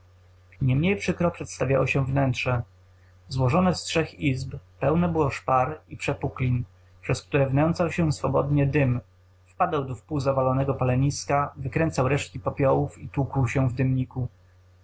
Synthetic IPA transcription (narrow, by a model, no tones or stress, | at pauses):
ɲɛmɲejpʂɘkɾɔpʂɛt̪st̪avʲja̰wɔɕɛvnɛntʂɛ | zwɔʐɔnɛstʂɛxizppɛwnɛbɘwɔʂpaɾipʂɛpuklʲin | pʂɛskt̪uɾɛvnɛnt̪sawɕɛsfɔbɔd̪ɲɛd̪ɘm | fpad̪awd̪ɔfpuwzavalɔnɛɡɔpalɛɲiskavɘkɾɛnt̪sawɾɛʂt̪̚kʲipɔpʲjɔwufit̪wukuwɕɛvd̪ɘmɲiku